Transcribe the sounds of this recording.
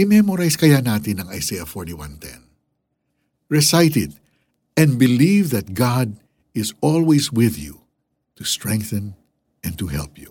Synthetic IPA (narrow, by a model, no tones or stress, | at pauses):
ɪmɛmoɾajskɐjanaːt̪ɪnɐŋa̰jsejɐfɔɹt̪iwã̰nt̪ʰɛ̰̃n | ɹɛsajt̪ɪd̪̚ | ɛ̃nbɪlivðɐt̪̚ɡad̪̚ | ɪsɔlwɛjswɪðjṵ | t̪ust̪ɹɛ̃ŋk̚θɨ̃n | ʔɛ̃nt̪uɦɛ̰lpju